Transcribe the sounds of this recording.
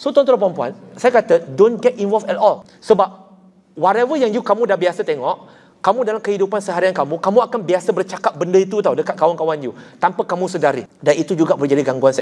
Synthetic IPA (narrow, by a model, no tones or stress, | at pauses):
sot̪ɔ̃nt̪uɾap̬ampua̰nsajakat̪adõnɡɛt̚invɔlfɛtɔl | səbap̚ | waɾɛvəjaŋjukamũdahbiasat̪eŋɔʔ | kamũdalamkəhidupansəɦaɾiankamũkamũakanbiasabərt͡ʃakap̚bəndəit̪ut̪awdəkat̪̚kawankawand͡ʒut̪ampakamũsədaɾidanit̪ud͡ʒuɡabərd͡ʒadiɡaŋɡuansa